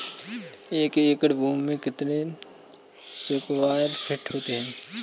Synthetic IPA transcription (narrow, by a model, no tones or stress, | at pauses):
eːkeːkəɽbũːmmẽkɪt̪ne | sʊkwaːɾpʰɪʈɦoːt̪eɦɛ̃ː